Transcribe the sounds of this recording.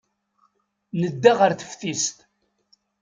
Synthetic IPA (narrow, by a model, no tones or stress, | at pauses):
nəd̪ːaʁəɾθə̥fθist̪